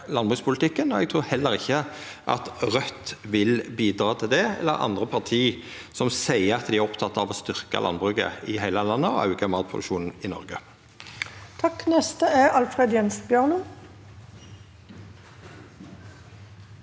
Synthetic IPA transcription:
lɑnbʁʉːspʰʊlt̪ʰɪkːənɔɛɡt̪ʰɾuːɾhɛlːəɾɪçːə | ʔɑ̰t̪ʁœt̪ːʋɪlbiːd̪ʁɑːt̪ʰɪld̪ɛɛ̰lːə̰ʁɑ̰nd̪ʁəpʰɑʁt̪ʰiː | sɔmsæɪəɑt̪d̪ɪæɾʁɔpt̪ʰɑt̪ːɑʋɔst̪ʏʁkə̰lɑ̰nbʁʉːɡə̰ɪhæɪləlɑnːəɔʔɑ̰ʉɡəmɑːt̪pʰʁʊd̪ʉ̰ʃuːnn̩ɪnɔ̰ʁɡə | t̪ʰɑkːnɛst̪əɛɑlfʁeːd̪jɛns̩bjøːʁnu

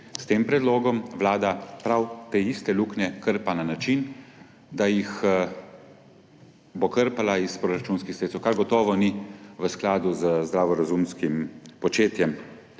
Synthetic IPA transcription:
st̪eːmpɾɛd̪loːɡɔmʋlaːd̪apɾawt̪eist̪ɛluːknʲɛkəɾpananat͡ʃin | d̪ajix | bokəɾpalaispɾoɾat͡ʃuːnskixset̪sɛwkaɾɡɔt̪ɔːʋɔniʋəsklaːd̪uzəzd̪ɾaːʋɔɾazumskimpɔt͡ʃeːt̪jɛm

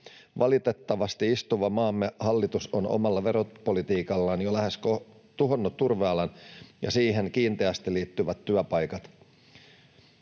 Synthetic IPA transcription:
ʋʔɑlit̪e̞t̪ːɑʋɑst̪iist̪uʋɑmɑːmːehɑlːit̪uso̞no̞̰mɑlːɑʋe̞ɾopo̞lit̪iːkɑlːɑnjolæhe̞sko | t̪uɦo̞nːut̪ːurʋeɑlɑnjɑ̰siːɦe̞ŋkiːnt̪eæst̪iliːt̪ːyʋæt̪ːyæpɑjkɑt̪

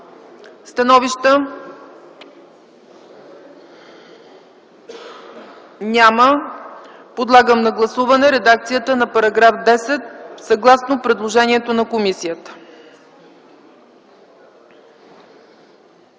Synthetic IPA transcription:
st̪ɐnɔviʃt̪ə | nʲamə | pod̪lˠaɡəmnɐɡlˠɐsuvɐnɛɾɛd̪ak̚t̪sijət̪ənɐpɐɾɐɡɾafd̪ɛsɛt̪̚sɐɡlˠasnopɾɛd̪lˠoʒɛniɛt̪onɐkomisijət̪ə̥

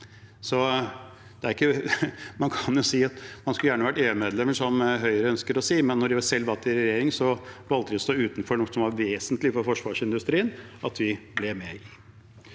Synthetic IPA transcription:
sɔ | d̪̥ɛæɾɪkːəmɑnkʰɑnjʊsiːɑt̪mɑnskʉljæːɳəʋæʈːeːʉmeːd̪lɛməʂɔmɦœʏɾəœnskəɾɔsiːmɛnːɔɖɪʋɑsɛlːʋɑlt̪ːɪɾɛjeːɾɪŋsɔʋɑlt̪əd̪ɪɔst̪oːʉːt̪nfɔɳusɔmʋɑɾʋeːsənt̪lɪfɔɾfɔʂʋɑːʂɪnd̪ʉst̪ɾiːənɑt̪ʋɪblɛmɛɪ

